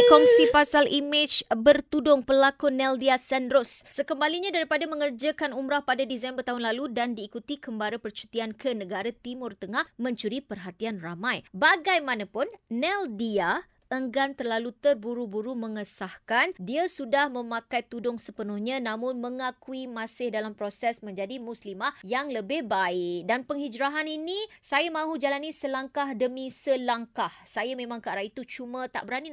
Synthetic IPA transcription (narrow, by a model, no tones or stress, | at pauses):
kɔŋsipasalʔimɪd͡ʒbərt̪udʊŋpəlakunɛldiasɛndɾosːəkəmbaliɲãdaɾipadamə̃ŋərd͡ʒakanumɾahpadadisɛmbərt̪aɦʊnlaludandiːkut̪ikəmbaɾapərt͡ʃu̥t̪iankʰənə̃ɡaɾat̪imʊrt̪əŋahmə̃ɲt͡ʃuɾipərɦat̪ianramãjbaɡajmãnapʊnnɛldia | ʔəŋɡant̪ərlalut̪ərbuɾubuɾumə̃ŋəsahkandiasudahmə̃makajt̪udʊŋsəpənʊhɲãnãmʊnməŋakuimasɪhdalampɾosɛsmə̃ɲd͡ʒadimuslimahjaŋləbɪhbaɪk̚danpəŋhid͡ʒɾaɦaninisajamãɦud͡ʒalanisəlaŋkahdəmĩsəlaŋkahsajamẽmãŋkəaɾait̪ut͡ʃumət̪a̰ʔbəɾani